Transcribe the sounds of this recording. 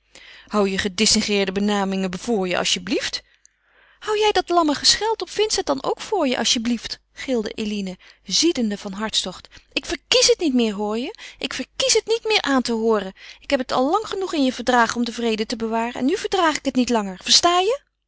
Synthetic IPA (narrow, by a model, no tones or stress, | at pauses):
hɑwjəχədɪsɪŋχɪːɹdəbənaːmɪŋəv̥ʊːɹjə̰ʔɑ̰ʃjəblift | hɑwjɛjdɑtlɑməχəsχɛlˠtɔpfɪntsət̚dɑno̰wkfʊːɹjə̰ʔɑ̰sjəblift | χɪlˠdə̰ʔelinəzidəndəv̥ɑnɦɑɹtstɔχtɪkfəɹkisɦətnitmɪːɹɦʊːɹjəʔɪkfəɹkisɦətnitmɪːɹʔaːntəɦʊːrəɪkɦɛpətɑ̰lˠːɑŋχənuχɪnjəvəɹdraːχɔmdəvrejdətəbəʋaːrəɛ̰nːyvəɹdraːχɪkɦətnitlɑŋəɹvəɹstaːjə